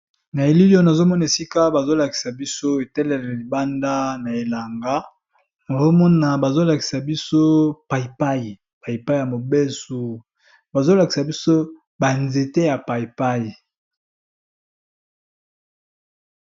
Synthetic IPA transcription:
na˨e˨li˦lo˦na˨zo˦mɔ˦na˨e˨si˦ka˦ba˨zo˦la˨ki̥˨sa˨bi˦so˦e˨tɛ˦lɛ˨li˨ba˦nda˦na˨e˨la˨ŋɡa˦ | na˨zo˦mɔ˦na˨ba˨zo˦la˨ki̥˨sa˨bi˦so˦pa˨i˨pa˦ji˨ | pa˨ji˨pa˦i˦ja˨mo˨be˦su˨ | ba˨zo˦la˨ki˨sa˨bi˦so˦ | ba˨nze˨te˦ja˨pa˨jpa˦ji˨

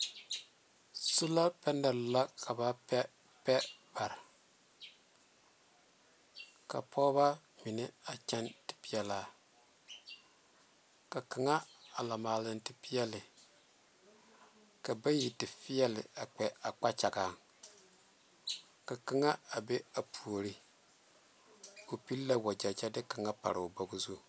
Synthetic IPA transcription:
su˦la˦pɛ˦nɛ˨ɾla˦kʰa˨ba˦pɛ˦ | pɛ˦b̥a˨ɾɪ˨ | ka̰˨pʰɔ˦βa˦ | mi˨nɪ˦a˨t͡ʃɛ˦ntɪ̥˨pi˦jɛ˨laː˨˦ | ka˨ka˨ŋa˦a˨la˨maː˨lɪ˨ntɪ˦pi˦jɛ˦lɪ˨ | ka˨ba˦ji˨tɪ˨fɪ˦jɛ˦lɪ̰˨a˨k͡pɛ˨a˨k͡pa˦t͡ʃa˨ɡa˨ | ka˨ka˦ŋa˦a˨be˦a˨pʰu˨o˨ɾi˦ | o˨pi˦lla˦wa˨d͡ʒa˨d͡ʒa˦dɪ˦ka˨ŋa˦pa̰˨ɾɪ˨bo˦ɡʊ˦zu˦

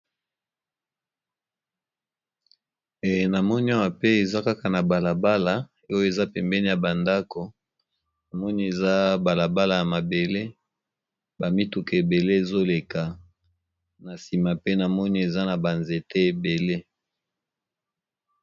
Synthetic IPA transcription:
e˨na˨mɔ˦ni˦a˦wa˨pe˦e˨za˦ka˦ka˨na˨ba˨la˨ba˦la˨˦ | o˦jo˦e˨za˦pɛ˨mbɛ˦ni˦˨ja˨ba˨nda˦ko˨ | na˨mɔ˦ni˦e˨za˦ba˨la˨ba˦la˨ja˨ma˨be˨le˦ | ba˨mi˦tu˨ke˨e˨be˨le˦e˨zo˦le˨ka˨ | na˨si˨ma˨pe˦na˨mɔ˦ni˦e˨za˦na˨ba˨nze˨te˦e˨be˨le˦

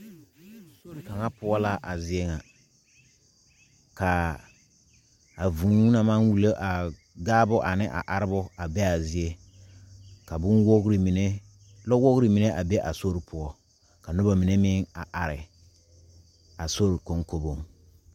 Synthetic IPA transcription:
so˦ɾi˨ka˨ŋa˦pʊ˦ɔ˦la˦ʔa˨zɪ˦ɛ˦ŋa˨ | ka˨ | a˨vũː˨˦na˨mã˦nwu˨lo˦ʔa˨ | ɡaː˦bʊ˦ʔa˨nɪ˦ʔa̰˨ʔa˨ɾɪ˦bʊ˦a˨bɛ˦a˨zɪ˦e˦ | ka˨bʊ˦nwo˦ɣɾi˨mi˨ne˦ | lɔ˦wo˦ɣɾi˨mi˨ne˦ʔa˨bɛ˦ʔa˨so˦ɾi˨pʰʊ˨ɔ˦ | ka˨nʊ˦ba˨mi˨ne˦mɪ˦ŋa̰˨ʔa˨ɾɪ˨ | a˨so˦ɾi˨ko˨ŋko˦bo˨ŋ

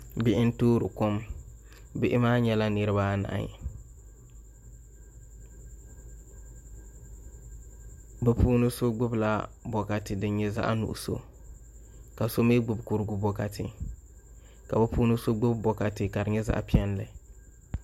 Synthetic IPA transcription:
bɪ˦ʔɪ˦n˦toː˦ɾɨ˨ko˦m | bɪ˦ʔɪ˦maː˦ɲɛ˦la˦nɨ˨ɾɨ˦baː˦na̰˨ʔa̰˨ɲ̰˨ | bɛ˦pʰuː˦nɨ˦so˦ɡ͡bʊ˦bla˦bɔ˨ka˨tɪ˨dɨ˨˦ɲɛ˦za̰˦ʔa̰˦nṵ˨ʔso̰˦ | ka˨so˦me˦ɡ͡bʊ˨bkʊ˦ɾɡʊ˦bɔ˨ka˨tɪ˦ | ka˨bɛ˦puː˦nɨ˦so˦ɡ͡bʊ˦bbɔ˨ka˨tɪ˦ka˨ɾɪ˨ɲɛ˦za̰˦ʔpi˦ɛ˦nlɨ˨

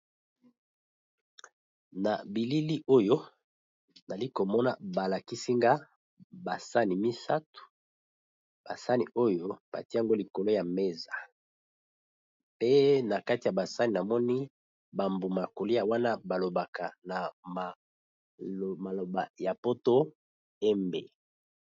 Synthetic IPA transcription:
na̰˨bi˨li˦li˦ʔo˦jo˦ | na˨li˦ko˨mɔ˦na̰˨ba˨la˨ki˦si˦ŋɡa˦ | ba˨sa˦ni˨mi˦sa˦tu̥˨ | b̥a˨sa˦ni˨o˦jo˦b̥a̰˨ti˦a˨ŋɡo˦li˨ko˨lo˦ja˨me˦za˨ | pe˦na˨ka˦ti˨ja˨ba˨sa˦ni˨na˨mɔ˦ni˦ | ba˨mbu˨ma˨ko˨li˦ja˨wa˦na˦ba˨lo˨ba˨ka˨na˨m˨ | ma˨lo˨ba˨ja˨po˦to˦ | ɛ˦mbḛ˨

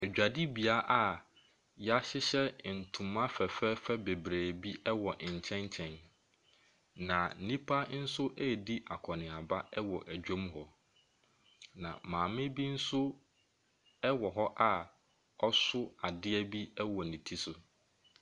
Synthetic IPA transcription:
æ˨d͡ʑᶣa˨di˦bi˨a˦ʔa˦˨ | jɛ˦a˦ɕɪ˦ɕɛ˦˨n̩˨tʰʊ̃˨mã˦fɛ˨fɛ˦fɛ˦be˨bɾeː˨bi˦ʔɛ˦wɔ˨ʔɪ̃˨ɲ̩˨t͡ɕʰɛ̃˦ɲt͡ɕʰɛ̃˨n | nã˨n̩˦nĩ˦pʰa˦n̩˦sʊ˦ʔɛ˦˨di˦ʔa˨kʰɔ˨nɪ̃˨a˨ba˦ɛ˦wɔ˨ʔæ˨d͡ʑᶣõ˦mɦɔ˨ | nã̰˨mãː˨mɪ̃˦bi˦n̩˦sʊ˦ | ɛ˦wɔ˨ɦɔ˦ʔa˦ | ɔ˦sʊ˦a˨dɪ˦ɛ˦bi˦ɛ˦wɔ˨nĩ˨tʰi˦sʊ˨

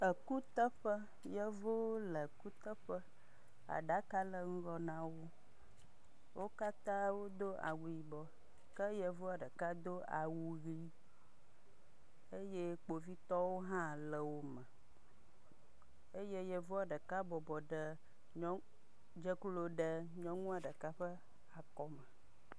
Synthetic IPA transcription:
ə˨ku˦t̪ə˦ɸə˦ | jə˦vo˦lə˨ku˦t̪ə˦ɸə˦ | a̰˨ɖa˦ka˦lə˨ŋ̩˦ɡɔ˦nã˦wo˦ | wo˦ka˦t̪ã˦wo˦d̪o˦ʔa̰˨wu˨ji˨bɔ˨ | kə˦jə˦vo˦a˨ɖə˨ka˦d̪o˦a˨wu˨ɣi˦ | e˦je˦k͡po˨vi˦t̪ɔ˦wo˦ɦã˦lə˨wo˦mə̃˨ | e˦je˦jɛ˦vu˦a˨ɖə˨ka˦bɔ˨bɔ˨ɖə˨ | ɲɔ̃˦ | d͡ʒə˦klo˦ɖə˨ɲɔ̃˦ŋũ˦a˨ɖə˨ka˦ɸə˦ | a˨kɔ˦mə˨

